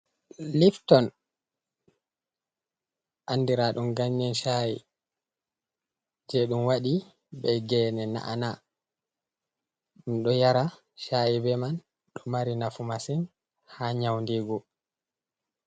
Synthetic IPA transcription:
liftɔn | ʔanːdiɾaɗumɡaɲːɛnʃaḭ | d͡ʒɛɗumwaɗi | bɛɡɛːnɛna̰ʔana | ɗumɗɔjaɾa | ʃajibɛman | ɗɔmaɾinafumasin | haɲawndiɡɔ

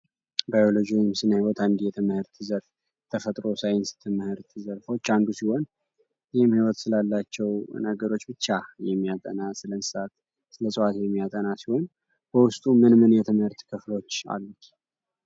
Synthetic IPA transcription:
bajolod͡ʒijɪmsɨnːahiwɔt̪ʰand̪ijɛt̪ʰɨmhɨɾt̪ʰɨzəɾf | t̪ʰəfət̪ʼɾo̞sajɪnst̪ʰɨmhɨɾt̪ʰɨzəɾfo̞t͡ʃːanɡ̪usiho̞n | jhɪmhiwɔt̪sɨlalːat͡ʃːɛwnəɡəɾo̞t͡ʃːbɨt͡ʃːajɛmːijat̪ʼə̰nasɨlənsɨsat̪ | sɨləsʼɨat̪jɛmːijat̪ʼənasiho̞n | bəwʊst̪ʼumɨnmɨnjɛt̪ʰɨmhɨɾt̪kʰɨflo̞t͡ʃːa̰lː

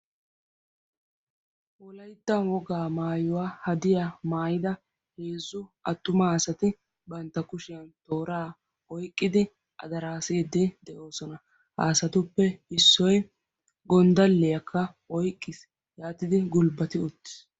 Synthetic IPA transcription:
ʔɔlɐjt̪ːɐnwɔɡaːmaːjʊwaːhɐd̪ɪjamaːjɪd̪ɐ | he̞ːzːʊɐt̪ːʊmaːsɐt̪ɪ | bɐnt̪ːɐkʊʃɪjɐnt̪o̞ːɾaː | ɔjkʼːɪd̪ɪ | ʔɐ̰d̪ɐɾaːseːd̪ɪd̪ɛʔo̞ːsɔnɐ | ha̰ːsɐt̪ʊpːɛɪsːɔj | ɡɔnd̪ɐlːɛjɐkʰːɐ | ɔjkʼːɪs | jaːt̪ɪd̪ɪɡʊlbɐt̪ɪʊt̪ːɪ̥s

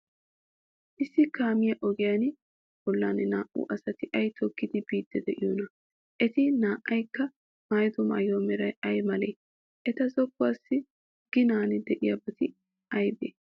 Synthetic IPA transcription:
ʔɪsːɪkaːmɪjɐʔɔɡɪjaːnɪ | b̥ɔlːaːnɪnaːʔṵʔɐsɐt̪ɪʔɐjt̪ʰɔkːɪd̪ɪbiːd̪ːɛd̪ɛʔɪjonɐ | ʔɛt̪ɪnaːʔɐjkːɐ | mɐjd̪ɔmɐ̰ːjoːmɛɾɐjɐjmɐlḛː | ʔɛt̪ɐzɔkːʊwaːsːɪ | ɡ̥ɪnaːnɪd̪ɛʔɪjabɐt̪ɪ | ɐjbḛː

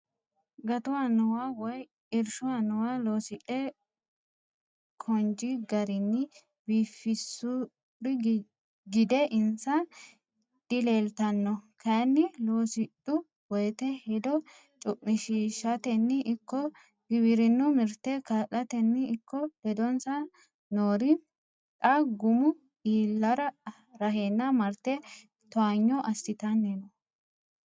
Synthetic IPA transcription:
ɡɐt̪ʊwanʊwawɔj | ɪɾʃʊwanʊwalo̞ːsɪᶑɛ | kʰɔnd͡ʒɪɡɐɾɪnːɪ | biːfːɪsʊ | ɾɪ | ɡɪd̪ɛʔɪnsɐ | d̪̥ɪleːlt̪ɐnːɔkʰɐnːɪloːsɪᶑʊ | wɔjt̪ɛhɛd̪ɔ | t͡ʃʼʊʔʼːɪʃiːʃːɐt̪ɛnːɪʔɪkːɔ | ɡɪβɪɾɪnːʊmɪɾt̪ːɛkaʔɐt̪ɛnːɪɪkʰːɔd̪̥ɛd̪ɔnsɐ | noːɾɪ | t̪ʼɐɡʊmʊ | iːlːɐɾɐ | ɾɐɦeːnːɐmɐɾt̪ːɛ | t̪ɔaɲːɔʔɐst̪ɪt̪ɐnːɛnɔ

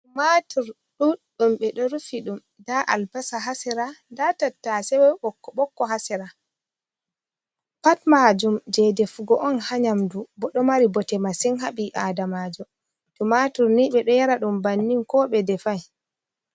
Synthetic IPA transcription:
umatuɾ | ɗuɗumɓɛɗɔɾufiɗum | daʔa̰lbasaɦasɛɾadatatːasɛwɛɓɔkːɔɓɔkːɔɦasɛɾa | patmad͡ʒumd͡ʒɛdɛfuɡɔʔɔnhaɲamdubɔɗɔmaɾibɔtɛmasiŋɦaɓiʔaːdamad͡ʒɔ | tumatuɾniɓɛɗɔjaɾaɗumbanːiŋkɔɓɛdɛfaj

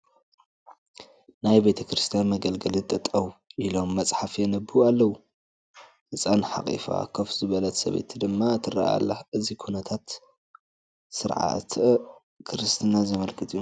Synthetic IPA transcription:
najbe̞t̪ʰɐkʰɾɨst̪ʰijanmɐɡɐlɡɐlit̪ʼɐt̪ʼɐwuʔilo̞mːɐt͡sʼħafjɛnɐbɨualːɐwu | hɨsʼanħa̰kʼḭfa̰kʰɐfz̥ɨβɐlɐt̪sɐ̰βḛt̪ʰid̪ɨmːaɨt̪ʰːɨra̰a̰lːa̰ʔɨzikʰunɐt̪ʰat̪ | sɨɾʕa̰t̪ʰʔ | kʰɨɾɨst̪ʰɨnazɐmɐlkʰɨt̪ʼijːu

